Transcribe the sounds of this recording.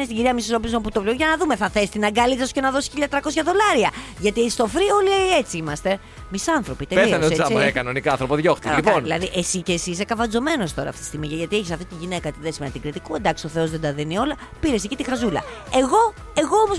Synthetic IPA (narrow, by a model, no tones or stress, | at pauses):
nest̪iɟiɾiɐmisiɾopiznomput̪oplioʝɐnɐðume̞θɐθesi̥t̪inɐɡɐlit̪ɐsu̥ce̞nɐðo̞si̥çiʎɐt̪ɾɐko̞sçɐðo̞lɐɾiɐʝɐt̪ieçist̪ofɾio̞lie̞t͡siimɐst̪e̞ | misɐnθɾo̞pit̪epeɐneoseɐmekɐnonikɐɐ̃nθɾopoðʝoxt̪lionilɐ̰ðiʔesicesisekɐvɐnd͡zo̞me̞no̞st̪o̞ɾɐ̰ːft̪i̥st̪iɣmiʝɐʝɐt̪ieçisɐft̪it̪iʝine̞kɐt̪iðesimenɐt̪iŋɡɾit̪ikuend̪ɐksio̞θe̞o̞zðed̪ɐðinio̞lɐ | piɾesecit̪ixɐzulɐ̰e̞ɣo̞ | e̞ɣo̞omoz